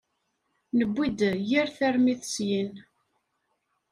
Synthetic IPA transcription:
nəbʷːid̪jiɾθæɾmiθəsjin

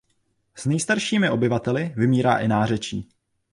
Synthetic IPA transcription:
z̥nɛjst̪aɾʃiːmɪʔo̞bɪvat̪ɛlɪvɪmiːɾa̰ːʔɪnaːr̝ɛt͡ʃiː

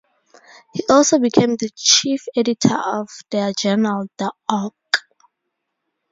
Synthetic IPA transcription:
hiʔɔlˠsobikʰẽmðət͡ʃifɛditʰəɔvdəd͡ʒɛnəɹaldɔk

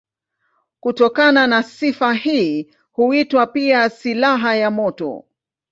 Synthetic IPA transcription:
kutɔkananasifahiː | huitwapiasilaɦajamɔtɔ̰

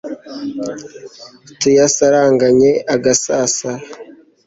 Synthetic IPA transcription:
tujasaɾaːŋɡaɲe̞ʔaɡasaːsa

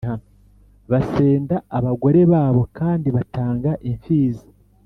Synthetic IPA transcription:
hano | βase̞ːndaːβaɡo̞ɾe̞βaːβo̞kaːndiβataːŋɡaʔiɱfiːzi̥

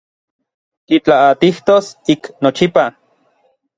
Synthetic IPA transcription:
k̪it͡ɬaat̪iht̪osiknot͡ʃipa

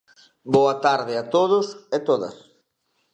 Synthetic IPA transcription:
boɐt̪aɾðɪat̪oð̞ʊset̪oðɐ̰s

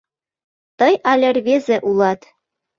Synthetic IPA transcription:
t̪ɤ̆jɑlʲĕrʲβezĕʔulˠɑt̪

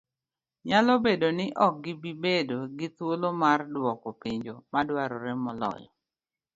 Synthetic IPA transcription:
ɲalɔbedonɪʔɔk̚ɡɪbibedoɡɪt̪wolomardwɔkɔpiɲd͡ʒomadwaɾɔɾɛmɔlɔ̰jɔ̰

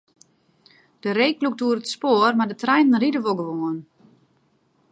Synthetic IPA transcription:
d̥əɾeːkluk̚duəɾətspoərmardətrɛjnən̩ridəʋolˠɡəʋoən

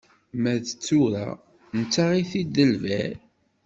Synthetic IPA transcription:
mæðt͡sːuɾa̰ | nət͡sːaʁiθid̪əlvæɾ

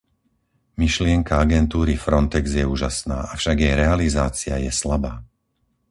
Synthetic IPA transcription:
miʃlɪɛŋkaaɡɛnt̪uːɾifɾɔnt̪ɛɡzjɛuːʒasna̰ːafʃaɡjɛjɾɛalizaːt͡siajɛslabaː

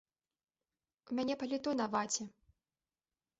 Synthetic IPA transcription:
umʲanʲɛpɐlʲit̪ɔnɐvat͡sʲɛ

